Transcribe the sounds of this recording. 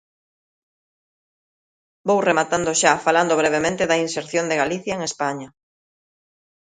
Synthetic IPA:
bowremat̪and̪oʃafaland̪oβ̞ɾeβ̞emẽnt̪ɪðɐinseɾθjond̪eɣaliθjɐeŋespaɲɐ

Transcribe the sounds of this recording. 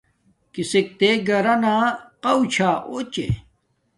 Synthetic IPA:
kisek̚t̪eɡɐɾɐnaːqɐwt͡ɕʰaːʔot͡ɕḛ

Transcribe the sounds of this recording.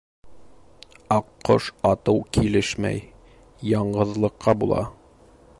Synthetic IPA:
ɒqːoʃɒt̪ɤwkilɘʃmæ̰j | jɒɴɢɤ̆ðlˠɤ̆qːɑbulˠɑ̰

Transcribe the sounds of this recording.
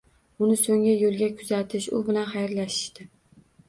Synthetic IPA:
ʊnɪsoŋajolˠɡʲakʰʊzat̪ʰɪʃʊ̰bɪlanχajɾlaʃɪ̥ʃt̪ɪ

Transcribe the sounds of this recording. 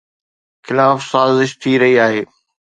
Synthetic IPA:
xɪlaːfsaːzɪʃt̪ʰiɾɐɦiaːɦeː

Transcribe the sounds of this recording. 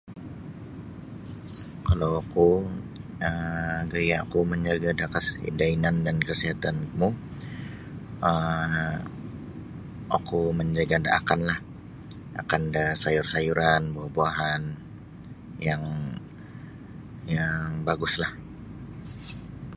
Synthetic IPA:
kalawaku | əmɡajaakuməɲd͡ʒaɡadakasdainandankəsiɦat̪anmu | ə | ʔa̰kuməɲd͡ʒaɡada̰ʔa̰kanlah | a̰kandasajʊrsajuɾanbaaboaɦan | jaŋ | jaŋbaɡʊslah

